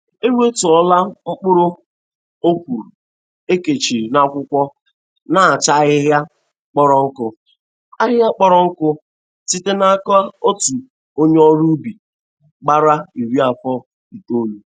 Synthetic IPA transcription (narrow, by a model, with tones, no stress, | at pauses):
e˦we˦tu˨ɔ˦la˦ŋ͡m̩˦k͡pʊ˦ɾʊ˦ | o˦kʷu˨ɾu˨ | e˦ke˨t͡ʃi˨ɾna˦kʷʊ˦kʷɔ˦ | na˨a˨t͡ʃa˦ɣɪ˦ɦja˦ | k͡pɔ˦ɾɔ˦ŋ̩˦kʊ˦ | a˦ɦja˦k͡pɔ˦ɾɔ˦ŋ̩˦kʊ˦ | si˦te˦na˦ka˦o˦tu˨ | o˦ɲe˦ɔ˦ɾu˦bi˨ | ɡ͡ba˦ɾa˦i˨ɾi˦a˨fɔ˦ | i˨to˦ɲu˨